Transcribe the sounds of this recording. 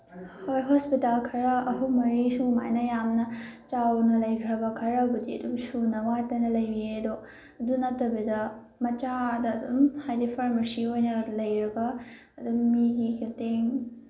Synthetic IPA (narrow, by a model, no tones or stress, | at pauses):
hojɦospitalkʰɐɾɐɐɦuwmɐɾisuma̰jnɐjamnɐt͡ʃawnɐlɐjkʰɾɐbɐkʰɐɾɐbɐdiɐ̰dumsunɐwatɐnɐlɐjbiedo | ɐdunɐtːɐbidɐ | mɐt͡ʃadɐːdṵmhajdipʰɐɾmɐɾsiojnɐlɐjɾɐɡɐː | dummiɡikiteŋ